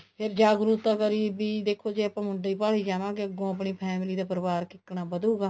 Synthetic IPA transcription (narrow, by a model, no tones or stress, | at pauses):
pʰɪɾd͡ʒaːɡɾuːt̪ãːkəɾiːbiːd̪eːkʰːoːd͡ʒeːəpãːmʊɖaːiːpaːɭiːd͡ʒaːʋãːkɪəɡõːəp̬ɳiːpʰɛːmɪliːd̪aːpəɾɪʋaːɾkɪkːɳaːbəd̪uːɡaː